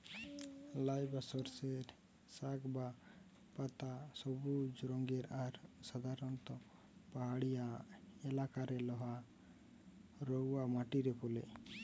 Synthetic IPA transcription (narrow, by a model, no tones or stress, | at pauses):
lajbasɔɾseɾ | sakba | pat̪asɔbud͡ʒɾɔŋɡeɾaɾsad̪ʱaɾɔnt̪ɔ | paɦaɽijaɛlakaɾɛlɔɦa | ɾɔwamaʈiɾɛpɔlḛ